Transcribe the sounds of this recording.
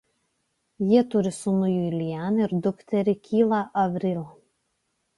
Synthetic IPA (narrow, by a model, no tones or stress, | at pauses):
jiɛt̪ʊɾʲɪsʊnʊjuilʲjænɪɾd̪ʊkt̪ʲɛɾʲɪkʲʰiːlˠɐʔɐʋʲɾʲɪlˠ